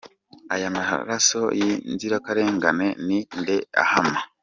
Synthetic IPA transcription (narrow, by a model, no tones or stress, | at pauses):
ajamaha̰ɾaso̞jinziɾakaɾe̞ːŋɡane̞ninde̞a̰hama